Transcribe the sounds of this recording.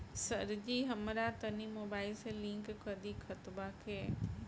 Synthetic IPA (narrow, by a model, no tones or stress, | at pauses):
sɐɾd͡ʑiɦɐmɾat̪ɐnimoːbaːɪlselɪ̃ŋkkɐd̪ikʰɐt̪bakʰeː